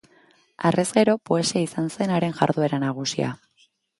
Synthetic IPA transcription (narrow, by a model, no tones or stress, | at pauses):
are̞zɣe̞ɾo̞po̞e̞siaisanse̞naɾe̞nʝa̰ɾðue̞ɾanaɣ̞usia̰